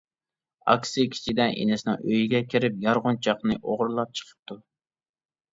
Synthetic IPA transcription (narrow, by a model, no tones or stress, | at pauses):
ɑ̰kʲsɨkʲʰi̥t͡ʃʰid̪ɛnʔḛnɪsɪnɨŋøjiɡʲɛkʲʰiɾɪpjɑɾʁʊnt͡ʃʰɑqnɨʔoʁɾlˠɑp̚t͡ʃʰə̥qʰə̥p̚t̪ʰu